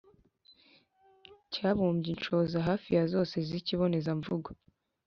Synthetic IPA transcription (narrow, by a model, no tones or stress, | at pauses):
caːβuːmbɟint͡ʃo̞zaɦaːfijazo̞ːse̞ziciβo̞ne̞zaɱvuɡo